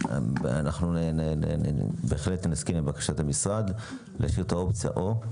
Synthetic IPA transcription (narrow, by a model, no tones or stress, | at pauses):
a̰naχnunḛ | beːχlet̪naskimebakḁʃat̪amisʁad̪ | leaʃiʁt̪aopt͡sija̰ʔo